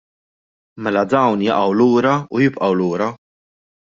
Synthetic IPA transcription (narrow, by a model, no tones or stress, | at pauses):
mɛlɐd̪ɐwnjɐʔɐwluːɾɐujɪpʔɐwluːɾɐ